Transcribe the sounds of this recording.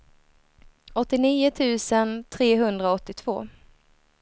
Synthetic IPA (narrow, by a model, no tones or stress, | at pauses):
ɔt̪ːɪniːʊt̪ʰʉ̟ːsənt̪ʰɾeːɦɵnd̪ɾaɔt̪ːɪt̪ʰv̥o̰ː